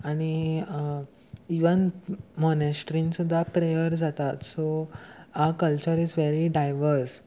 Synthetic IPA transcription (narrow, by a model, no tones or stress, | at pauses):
aɽ̃i | iʋənmɔnesʈɾĩnsud̪ʱːapɾejəɾd͡zat̪at̪so | akəlt͡ɕəɾid͡zʋeɾiɖajʋəɾs